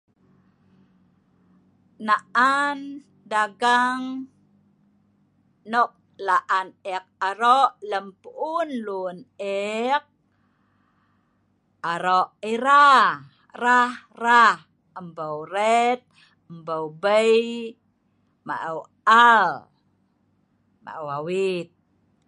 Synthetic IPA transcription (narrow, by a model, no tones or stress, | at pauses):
naʔan | daɡaŋ | nɔk̚ | laʔanɛk̚aɾɔʔləmpuʔunlunɛk̚ | aɾoʔiɾa | rah | rah | əmbəwɾɛt̪̚ | əmbəwbəj | ma̰ʔəw | al | ma̰ʔəwawit̪̚